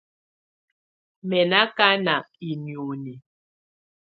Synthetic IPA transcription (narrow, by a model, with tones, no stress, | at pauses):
mɛ˨na˦ka˦na˨i˨njo˨ni˨